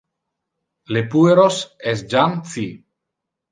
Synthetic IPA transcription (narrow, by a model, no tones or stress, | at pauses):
lepueɾosesd͡ʒanθi